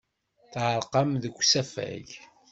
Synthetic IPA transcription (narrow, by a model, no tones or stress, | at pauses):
θʕəɾˤqɑmðəkʷːsæfæ̰ʝ